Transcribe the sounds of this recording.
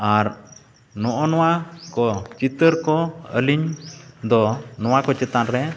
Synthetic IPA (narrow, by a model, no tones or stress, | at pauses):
aɾ | nɔʔɔnɔwakɔt͡ʃit̪əɾkɔə̰liɲd̪ɔnɔwakɔt͡ʃɛt̪anɾɛ